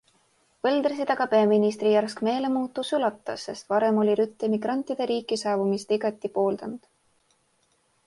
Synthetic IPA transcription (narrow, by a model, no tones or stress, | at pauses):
vɤld̪̥rɑsid̪̥ɑɡ̥ɑpeɑminist̪rijærskme̞ːle̞muːt̪ˑːusylɑt̪ːˑɑsːe̞st̪vɑɾe̞mo̞lʲiɾyt̪ːˑemiɡrɑnʲt̪ːˑid̪̥e̞ɾiːkːˑisɑːvumist̪iɡ̥ɑt̪ːˑipo̞ːld̪̥ɑnd̪̥